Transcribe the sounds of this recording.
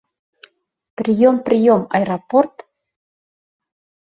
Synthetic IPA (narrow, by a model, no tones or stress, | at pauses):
pɾijompɾijoma̰jɾaport̪